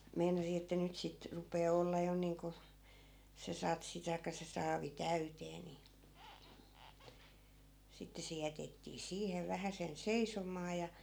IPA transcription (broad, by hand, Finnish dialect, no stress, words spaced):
meinɑsi etːæ nyt sit rupˑeː olˑeː jo niːŋku se sɑtsi tɑikːɑ se sɑːʋi tæyteː ni sitːe se jætetːiː siːheʋ ʋæhæsen seisomˑɑː jɑ